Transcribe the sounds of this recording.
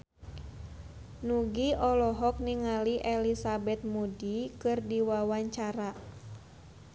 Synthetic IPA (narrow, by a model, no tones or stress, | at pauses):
nuɡiɔlɔɦɔk̚niŋaliʔɛlisabɛt̪̚mudikɨrdiwawaɲt͡ʃaɾa